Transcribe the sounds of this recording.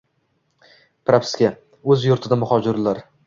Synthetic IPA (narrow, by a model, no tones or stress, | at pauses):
pɾapskʲa | ɵzjʊɾt̪ʰɪd̪amʊχɒd͡ʒɪɾɪlaɾ